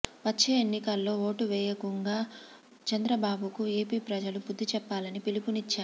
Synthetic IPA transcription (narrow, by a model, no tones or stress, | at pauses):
ʋɐt͡ʃːe̞ːenːikɐlːo̞ːo̞ːʈuʋɛːjɐkuŋɡaː | t͡ʃɐnd̪ɾɐbaːbukue̞ːpiːpɾɐd͡ʒɐlubud̪ʱːit͡ʃɛpːaːlɐnipilipunit͡ʃːaːɾu